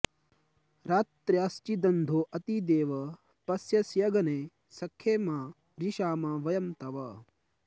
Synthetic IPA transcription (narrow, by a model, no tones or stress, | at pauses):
ɾaːt̪ɾjaːst͡ʃid̪ɐnd̪ʱoːʔɐt̪id̪eːʋɐ | pɐsjɐsjɐɡɐneː | sɐkʰjeːmaː | ɾiʃaːmaːʋɐjɐmt̪ɐʋɐ